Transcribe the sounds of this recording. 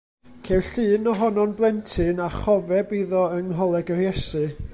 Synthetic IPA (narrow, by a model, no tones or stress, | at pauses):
kʰewɬɨːnɔɦɔnɔnblˠɛntʰɨnaχɔvɛbiðɔəŋɦɔlˠɛɡərjɛsɨ